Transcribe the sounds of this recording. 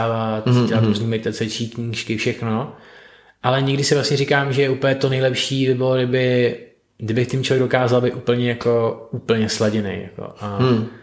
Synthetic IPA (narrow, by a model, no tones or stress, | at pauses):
vat̪ɛaɾuzɲiːmɛdɪt̪at͡sɛt͡ʃiːkɲiːʃkɪfʃɛxno | ʔalɛɲɛɡdɪsɪvlasɲɛɾikaːmʒɛjɛʔupl̩jɛt̪onɛjlɛpʃiːbɪbɪloɡdɪbɪ | ɡdɪbɪxt̪ɪmt͡ʃovjɛɡ̚do̞kaːzalbejt̪ʔupl̩ɲɛjako̞uːpl̩ɲɛslaɟɛnḛjja̰ko̰ʔa